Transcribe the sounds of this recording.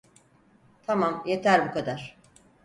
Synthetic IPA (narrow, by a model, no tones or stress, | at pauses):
t̪ʰamamje̞t̪ʰæɾbukʰad̪aɾ̥